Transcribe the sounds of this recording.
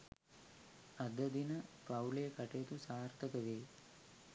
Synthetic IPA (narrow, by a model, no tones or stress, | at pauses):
ad̪əd̪inəpawlejəkaʈejːt̪usaːɾt̪ʰəkəʋeː